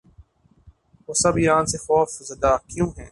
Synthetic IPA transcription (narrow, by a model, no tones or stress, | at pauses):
ʋoːsɐbiːɾãːnsexɔːfzɐd̪akjũːɦɛ̰̃ː